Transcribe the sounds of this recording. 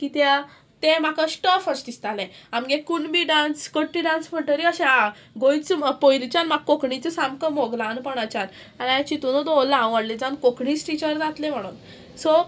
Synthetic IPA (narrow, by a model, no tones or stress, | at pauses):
kit̪ja | t̪emakasʈɔfəsʈist̪alɛ̃amɡekuɳbiɖãnskəʈːiɖãnspʰəʈəɾiəɕẽa | ɡojt͡spojlit͡ɕanmaɡkokɳit͡səsamkəmoɡlanpəɽat͡ɕan | aniãt͡ɕit̪unod̪olãʋəɽled͡zankokɳisʈit͡ɕəɾd͡zat̪lẽm̤əɽ̃ṵːn | so